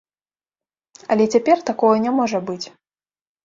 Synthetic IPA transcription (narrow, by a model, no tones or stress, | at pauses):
ɐlʲɛt͡sʲapʲɛrt̪akɔɣɐnʲamɔʐɐbɨt͡sʲ